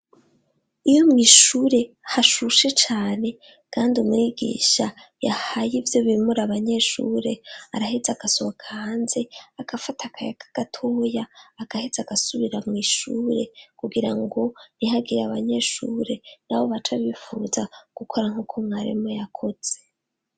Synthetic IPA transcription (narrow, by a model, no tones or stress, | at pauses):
ijo̞mŋiːʃuːɾe̞ | haʃuʃe̞t͡ʃaːne̞ | kʰaːndiumŋiɡḭːʃa | jahajivjo̞βimuɾaβaɲe̞ʃṵːɾe̞aɾaɦezaɡ̥asoβokʰahaːnze̞akafatʰakʰajakʰḁɡ̥atʰoːjaːkahezaɡ̥asuβiɾamŋiːʃuɾe̞̰kuɡiɾa̰ŋɡo̞niɦaɡiɾaβaɲe̞ʃṵːɾe̞naβo̞βat͡ʃaβifuːzaɡ̥ukʰo̞ɾaŋhukʰo̞mŋaɾḭmojakʰo̞z̥e̥